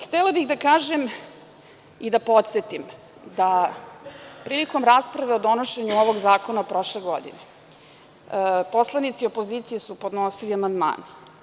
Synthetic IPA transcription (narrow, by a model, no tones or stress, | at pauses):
xt̪ɛlabixd̪akaːʒem | id̪apo̞t̪se̞t̪im | d̪a | pɾiːliko̞mɾaːspɾaʋe̞od̪o̞noʃe̞ɲuoʋo̞ɡzaːko̞napɾo̞ʃleɡo̞d̪ḭne | po̞slˠanit̪siopo̞ziːt̪sijesupo̞d̪nosiliamand̪ma̰ːn